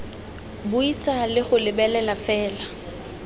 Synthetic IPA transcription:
bʊisalɪχʊlɪbɛlɛlafɛːla

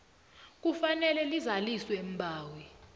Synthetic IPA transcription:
k̬ufanɛlɛlizaliswem̩bʱaːwi

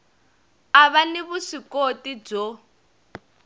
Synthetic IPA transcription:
aβaniβusikotid͡zɔ

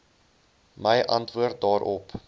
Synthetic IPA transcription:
məjʔɐntvuərt̚dɑːɾʔɔp

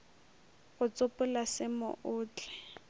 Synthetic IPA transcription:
ɣʊt͡sʼʊpʼʊlasɪmʊ̰ʔʊːt͡ɬʼɛ̥

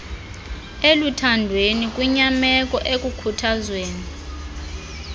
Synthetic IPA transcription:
elutʰandʱwenik̬ʼuɲamɛkʼɔʔekʼukʰutʰazweːni

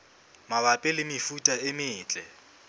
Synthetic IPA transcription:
maβapʼɪlɪmɪfutʼaɪmɪːt͡ɬʼɛ

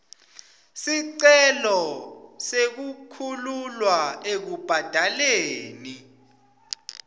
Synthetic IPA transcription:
siǀɛlɔsek̬ukʰululwaek̬ub̥ʱad̥ʱaleːni

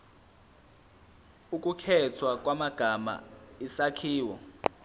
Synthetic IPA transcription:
uk̬ʼukʰɛt͡sʰwak̬ʼwamaɡ̥ʱama̰isakʰiːwɔ

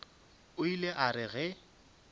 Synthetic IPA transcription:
ʊileʔarɪɣɛ

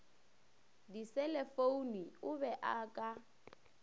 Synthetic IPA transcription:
disɛlɛfouniʊbɛʔakʼa

